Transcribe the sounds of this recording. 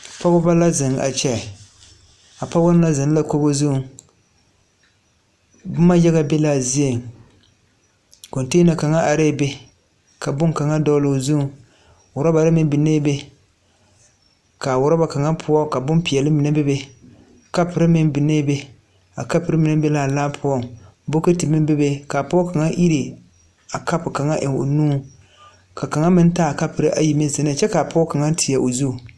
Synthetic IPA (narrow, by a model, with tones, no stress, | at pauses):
pa˦ɣʊ˦ba˦la˦zɨ˨ŋa̰˨t͡ʃɛ˦˨ | a˨pa˦wo˦n˦la˦zɨ˨n˦la˦ko˦bo˦zu˦˨ | b̩˦ma˦jɛ˦ɣa˦be˦la˦˨zi˦e˨ŋ | ko˨nte˦na˨ka˨ŋa˦ʔa˨ɾe˦˨be˦ | ka˨bʊ˦ŋka˨ŋa˦dɔ˦lo˨zu˦˨ | wʊ˨ɾa˦ba˨ɾɨ˦mɪ˦n˦bɪ˨neː˦be˦ | ka˨wʊ˨ɾa˦ba˨ka˨ŋa˦pʰʊ˦ɔ˦ka˨bʊ˦mpi˨ɛ˨lɨ˦mɪ˨na˦bɛ˦be˦˨ | ka˦pɨ˨ɾɨ˦mɪ˦nbɨ˨ne˦be˦ | a˨ka˦pɨ˨˦ɾɨ˦mɨ˨nɨ˦be˦laː˨laː˦pʰʊ˨˦ɔ˦bo˦ke˦tɨ˨mɪ˦m˦bɛ˦be˦ka˨pɔ˦ka˨ŋa˦ʔi˦ɾi˨ | a˨ka˦pʊ˨ka˨ŋa˦ʔɪ˨ŋo̰˨nuː˦ | ka˨ka˨ŋa˦mɪ˦n˦taː˦˨ka˦pɨ˨ɾɨ˦ʔa˨ji˨me˦zɪ˨n˦˨t͡ʃɛ˦ka˨pɔ˦ka˨ŋa˦tʰɪ˨ja˨ʔo˨zu˦˨